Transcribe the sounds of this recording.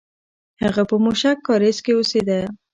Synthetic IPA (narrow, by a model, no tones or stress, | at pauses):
haɣapəmuʃakːɑɾeskeosed̪a